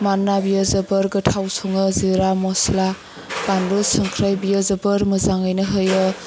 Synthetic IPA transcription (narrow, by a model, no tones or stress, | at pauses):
manːabijazɯbɯɾɡɯtʰawsoŋɯziɾamɔsla | kanɾosɯŋkʰɾajbijəzɯbɯɾmɯzaŋajnɯɦɯjɯ